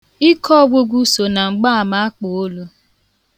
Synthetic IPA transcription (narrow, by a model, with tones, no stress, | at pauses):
i˦kɔ˦ɡʷo˦ɡʷu˦so˨na˨ŋ͡m̩˨ɡ͡ba˦a˨ma˦a˦k͡po˨o˦lu˦